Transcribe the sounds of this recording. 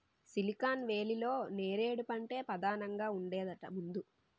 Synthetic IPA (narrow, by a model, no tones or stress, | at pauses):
silikaːnʋe̞ːlilo̞ːne̞ːɾe̞ːɽupɐɳʈe̞ːpɐd̪aːnɐŋɡaːuɳɖɛːd̪ɐʈɐmund̪u